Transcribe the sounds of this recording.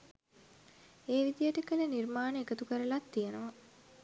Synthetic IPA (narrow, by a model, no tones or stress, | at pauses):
eːʋid̪ijəʈəkəlenirmaːnəekət̪ukəɾəlat̪ːijenəʋa